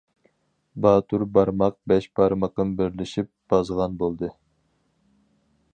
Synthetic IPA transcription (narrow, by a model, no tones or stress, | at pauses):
bɑːt̪ʰuɾbɑɾmɑq̚bɛʃbɑɾmɑqɨnbɪɾlɪʃip̚b̥ɑzʁɑnbolˠd̪ɨ